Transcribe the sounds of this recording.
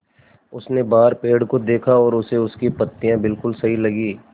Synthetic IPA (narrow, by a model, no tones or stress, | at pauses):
ʊsnebaːɾpeːɽkod̪eːkʰaɔːɾʊseʊskipɐt̪ːijãbɪlkʊlsɐɦilɐɡiː